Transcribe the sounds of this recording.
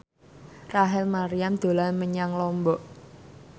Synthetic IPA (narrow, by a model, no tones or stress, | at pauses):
raɦɛlmaɾiamd̪̥o̤lanməɲaŋlɔmbɔʔ